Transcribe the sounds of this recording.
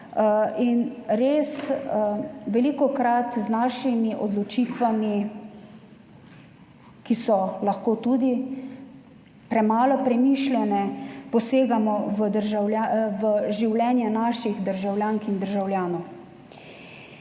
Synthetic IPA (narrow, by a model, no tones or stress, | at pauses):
inɾeːs | ʋɛlikɔkɾat̪znaːʃimiʔɔd̪lɔt͡ʃiːt̪ʋami | kisɔlaxkoːt̪ud̪i | pɾɛmaːlɔpɾɛmiːʃlʲjɛnɛpɔseːɡamɔʋəd̪əɾʒawlaʋəʒiwlʲɛːnjɛnaːʃiɣd̪əɾʒawljaːŋkind̪əɾʒawljaːnɔw